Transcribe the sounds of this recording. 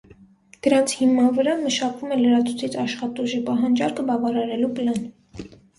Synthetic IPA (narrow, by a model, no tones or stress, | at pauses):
d̪̥əɾɑnt͡sʰhimːɑnvəɾɑməʃɑkvumɛləɾɑt͡sʰut͡sʰit͡sʰɑʃχɑt̪uʒipɑɦɑnd͡ʒɑɾkəbɑvɑɾɑɾɛlupəlɑn